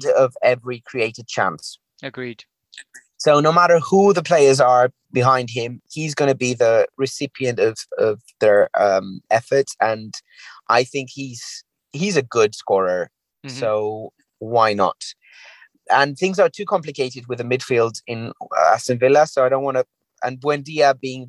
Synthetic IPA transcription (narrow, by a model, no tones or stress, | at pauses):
dəvɛvɹikʰɹ̥ieɪɾɪd̚t͡ʃʰã̰ns | əɡɹid̥ | soʊnoʊmaɾə˞huðəpʰl̥eɪə˞zə˞ | bɪɦãɪ̃nd̥̚ɪ̃mhizɡʌñəbiðəɹɪsɪpiə̃ntʌvʌvðə˞ʌ̃mɛfə˞tə̃n | ʔaɪθɪ̃ŋkhiz̥ | hizəɡʊd̥skɔːɹə˞ | soʊ | waɪnə̰t | ʔə̃nθɪ̃ŋzə˞tʰʉːkʰɑ̃mplɨkʰeɪɾɪd̚wɪðəmɪd̥filˠdzɪ̃n̰a̰sə̃nvɪləsoʊaɪɾõʊ̃nwɑ̃nə | ə̰̃nbwɛ̃ndiəbiɪ̃ŋ